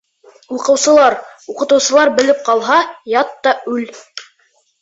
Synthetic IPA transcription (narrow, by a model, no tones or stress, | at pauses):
uqɤ̆wsɤ̆lˠɑɾuqɤ̆t̪ɤ̆wsɤ̆lˠɑɾbɘ̆lɘp̚qɑlˠɦɑjɑt̪ːɑʉl